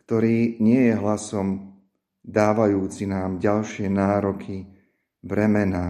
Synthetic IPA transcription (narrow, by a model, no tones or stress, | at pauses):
kt̪ɔɾiːɲɪɛjɛɦlasɔm | d̪aːʋajuːt͡sinaːmɟalʃɪɛnaːɾɔkʰi | bɾɛmɛnaː